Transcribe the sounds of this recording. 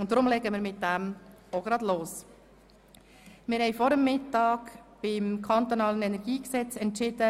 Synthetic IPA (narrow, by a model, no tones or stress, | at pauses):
ʊntdɾʊmlɛɡəmɪːɾmɪt̚d̥æmoɡɾɑːd̪loːs | mɪɾhɛɪfɔɾəmːɪtɑːkb̥ɪmkʰɑnt̪onɑːlənɛnɛɾɡiːksɛt͡sɛntt͡ʃɪd̥ə